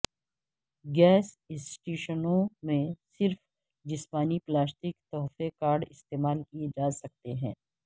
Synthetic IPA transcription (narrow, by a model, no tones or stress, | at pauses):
ɡɛːs | ɪsʈeːʃənõmẽsɪɾf | d͡ʒɪspaːniplaːsʈɪkt̪ɔːɦfekaːɾɖɪst̪eːmaːlkied͡ʒaːsɐk̚t̪eɦɛ̰̃ː